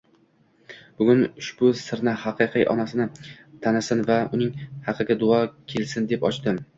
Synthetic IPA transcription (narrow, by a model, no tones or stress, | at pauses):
b̥ʊɡʲʊnʊʃbʊsɪɾnɪhaqʰɨqʰijʔɒ̰nasɪnɪ | t̪ʰanɪsɪnvaʊnɪŋhɑqʰɨɡʲad̪ʊɒkʲʰe̞lsɪnd̪e̞pɒt͡ʃt̪ɪm